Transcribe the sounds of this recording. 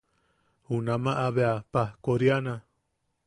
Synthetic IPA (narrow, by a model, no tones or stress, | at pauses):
hunãmãʔaβeapahkoɾjanã